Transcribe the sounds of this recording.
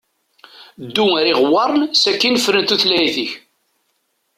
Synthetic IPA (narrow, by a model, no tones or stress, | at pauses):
d̪ːuæɾiʁwɑɾˤnsækːinfɾənt̪uθlæjθiç